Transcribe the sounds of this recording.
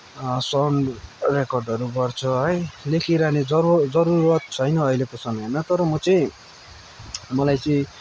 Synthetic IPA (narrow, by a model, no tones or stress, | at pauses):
sʌɳrekʌrɖʌɾuɡʌrt͡sʰʌɦʌjlekʰiɾaned͡zʌɾd͡zʌɾuɾʌt̪̚t͡sʰʌjnʌːjlekosʌmʌjmat̪ʌɾʌmʌt͡sʌĩ | mʌlajt͡sʌĩ